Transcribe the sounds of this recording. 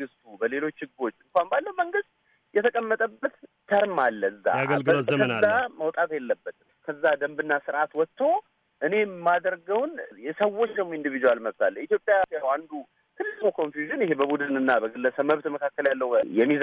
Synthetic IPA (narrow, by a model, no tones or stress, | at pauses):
ɡɨst̪ʰubəle̞lo̞t͡ʃːhɨɡo̞t͡ʃːɨŋkʷanbalːəwməŋɡɨst̪̚ | jɛt̪ʰəkʼəmːət̪ʼəbət̪t̪ʰəɾmalːəɨzːa̰əaməwt̪ʼat̪jelːəbːət̪ɨmkʰəzːad̪əmbɨnːasɨɾʔat̪wɔt̪ʰːo̞ | ʔɨne̞mːad̪əɾɡəwnjɛsəwːo̞t͡ʃːd̪əmːoind̪ɨvid͡ʒ̪uwalməβt̪ʰalːəit̪jo̞pʼjasjawand̪u | k̪ʰɨlːɨɡukʰo̞nfjuʒɨnjɪhɦebəbud̪ɨnɨnːabəɡɨlːəsəməβt̪məkʰakːəljalːəwjɛmːiz